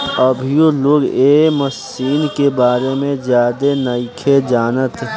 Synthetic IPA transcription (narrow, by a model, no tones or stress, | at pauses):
əbʱjoloːɡeːməs | iːnkebaːɾemẽzjaːd̪enəɪkʰed͡ʒaːnət̪